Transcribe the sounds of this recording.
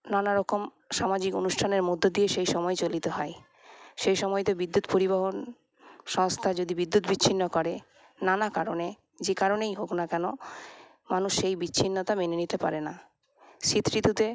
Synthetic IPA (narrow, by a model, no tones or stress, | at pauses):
nanaɾɔkom | ʃamad͡ʑikonuʃʈʰaneɾmod̪ʱːod̪ieʃejʃɔmɔet͡ɕolit̪eɦɔe | ʃejʃɔmɔjt̪obid̪ːut̪poɾiβaɦon | ʃɔŋst̪ʰad͡ʑod̪ibid̪ːut̪bit͡ɕːɕʰinːokɔɾe | nanakaɾone | d͡ʑekaɾonejɦoknakɛno | manuʃːejbit͡ɕːɕʰinːot̪amenenit̪epa̰ɾena | ʃit̪ːɾit̪ut̪e